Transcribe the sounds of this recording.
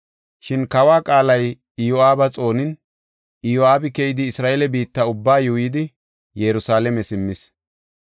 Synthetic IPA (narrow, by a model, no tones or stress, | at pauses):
ʃɪnkɐwaːkʼaːlɐj | ɪjɔaːbɐt͡sʼo̞ːnɪn | ɪjɔaːbɪkɛjɪd̪ɪːsɾaːʔeːlɛbiːt̪ːɐʊbːaːjuːjɪd̪ɪ | jɛɾʊsaːlɛmɛsɪmːɪs